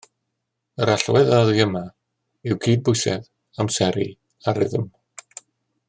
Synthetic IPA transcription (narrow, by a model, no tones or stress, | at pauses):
əɾaɬwɛðaðiəma | ɪwɡʰiːd̚bʊɨjsɛ̰ð | amsɛɾḭ | aɾɪ̰ðəm